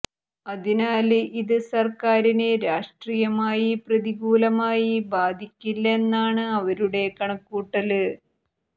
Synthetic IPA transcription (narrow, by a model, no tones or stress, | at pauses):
ɐðinaːlʔiðɨsɐrkaːɾineɾaːʂʈrijɐmaːjiprɐðiɡuːlɐmaːjibaːd̪ʱikʲːilːɐenːaːɳɨɐʋɐɾuɽe̞kɐɳɐkːuːʈːɐlɨ